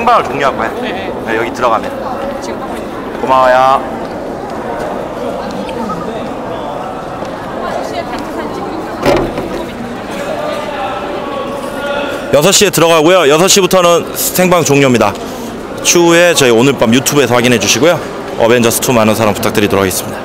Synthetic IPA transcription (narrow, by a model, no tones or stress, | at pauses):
sʰeŋbaŋɯɭt͡ɕoŋɲoɦaɡoaja | ʌjʌɡitɯɾʌɣam | omaaja | jʌsʰʌɕ͈ie̞tɯɾʌɣaɡojojʌsʰʌɕ͈ibutʰʌnɯn | sʰe̞ŋbaŋt͡ɕoŋɲomɲida | t͡ɕʰue̞t͡ɕʌionɯɭp͈amjutʰube̞sʰʌɸwaɡinɦed͡ʑuɕʰiɡojo | ʌbe̞nd͡ʑʌsʰɯ̥tʰumanɯnsʰaɾampu̥tʰak̚t͈ɯɾituɾʌaɡes͈ɯmɲid̥a